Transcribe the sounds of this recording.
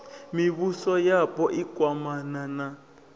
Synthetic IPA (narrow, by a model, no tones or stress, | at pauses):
miβusɔjapɔʔikwamanana